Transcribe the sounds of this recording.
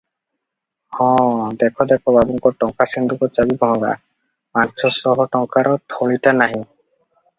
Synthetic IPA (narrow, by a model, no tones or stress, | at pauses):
hɔ̃d̪ɛkʰɔd̪ɛkʰɔbabuŋkɔʈɔŋkasɛnd̪ukɔt͡ʃabibɔ̃ɦɔ̃ɡa̰ | pant͡ʃʰɔsɔɦɔʈɔŋkaɾɔt̪ʰɔɭitanaɦĩ